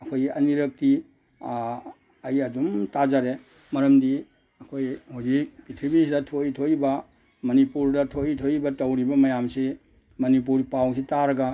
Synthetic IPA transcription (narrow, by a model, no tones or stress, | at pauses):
ɐkʰojɐ̰niɾɐk̚ti | ɐjɐdumtazaɾe | mɐɾɐmdi | ɐkʰojhuwzik̚b̥itʰibisidɐtʰojtʰojbɐ | mɐnipuɾdɐtʰojtʰojbɐtɐwɾibɐmɐjamsi | mɐnip̬uɾpaws̬itaɾɐɡɐ